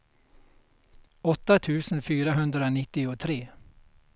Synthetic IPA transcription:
ɔt̪ːat̪ʰʉ̟ːsənfyːɾaɦɵnd̪ɾanɪt̪ːɪɔt̪ʰɾeː

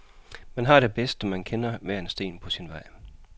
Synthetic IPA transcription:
mænɦɑ̈ɾ̥e̝b̥esd̥ɒmænkʰenɐʋæɐensd̥e̝̰ːnpʰɒ̽sinʋɑ̈ɪ̰

